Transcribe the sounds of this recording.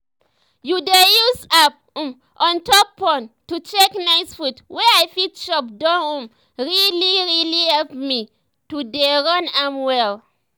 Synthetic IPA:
judejusap̚ | m | ʔɔ̃ntɔk̚pɔ̃ntut͡ʃeknaɪsfutwɛajfitʃɔp̚dãũm | ɹiliɹilihɛlpmi | tudeɹɔ̃nãmwɛl

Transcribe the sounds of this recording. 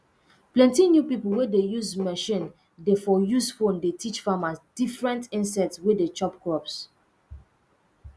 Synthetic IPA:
plɛ̃ntinjupipolwɛdejuzmɛʃĩn | defɔjusfõndetʰit͡ʃfamasdifɹɛ̃ntĩnsɛtswɛdet͡ʃɔpkɹɔps

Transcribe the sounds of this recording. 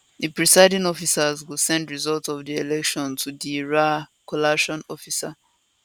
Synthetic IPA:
ðipɹisaɪdĩŋɔfisazwilsɛ̃ndɹizɔltɔvðielɛkʃɔ̃ntʰudiɹakʰɔlaʃɔ̃nɔfisa

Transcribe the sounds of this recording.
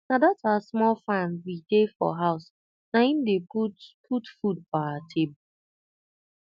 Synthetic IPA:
nadatasmɔlfãnwidefɔ̰ɦaʊs | naindeupʰutfud̚faatʰebo

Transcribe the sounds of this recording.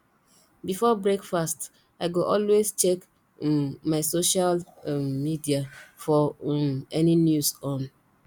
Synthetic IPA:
bifɔbɹekfast | aɪɡoʔɔlwezt͡ʃek | maɪsoʃalmidiafɔ | ɛninjusɔ̃n

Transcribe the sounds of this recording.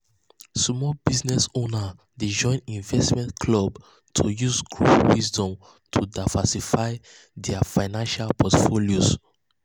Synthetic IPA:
smɔlbiznɛsona | did͡ʒɔ̃ɪ̃nĩnvɛstmɛ̃nkʰlɔb | tʰujuzɡɹo̰wisdɔ̃m | tʰudaɪvasifaɪ | dɛafaɪnãnʃalpɔtfolioz

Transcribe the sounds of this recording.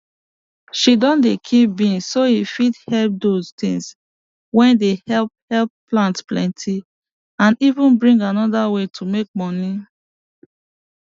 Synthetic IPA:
ʃidɔ̃ndekʰip̚bĩnsoifidhɛlp̚doztḭ̃ŋs | wɛ̃ndehɛlp̚hɛlpːlãntplɛ̰̃ntʰi | ãnivũnbɹĩŋɡanɔdawetʰumek̚mɔni

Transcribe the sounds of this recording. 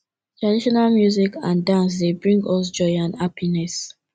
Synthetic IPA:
tɹadiʃɔnalmjuzikãndãns̬debɹĩŋɡɔs̬d͡ʒɔɪãnhapinɛs

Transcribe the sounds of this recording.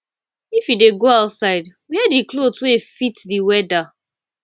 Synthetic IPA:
ifjideɡoaʊtsaɪdwiɛdikloswefitdiwɛda

